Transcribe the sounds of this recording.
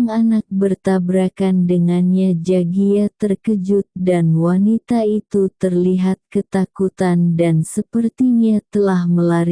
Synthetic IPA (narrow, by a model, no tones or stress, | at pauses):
ŋanak̚bərt̪abɾakandəŋanɲad͡ʒaɡiat̪ərkəd͡ʒʊt̪̚danwanit̪ait̪ut̪ərliɦat̪̚kət̪akut̪andansəpərt̪iɲat̪əlahməlaɾi